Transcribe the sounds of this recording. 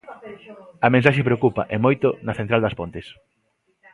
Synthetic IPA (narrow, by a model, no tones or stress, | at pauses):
ɐmẽnsaʃepɾeokupɐ̰ʔemojt̪onɐθent̪ɾald̪ɐspont̪es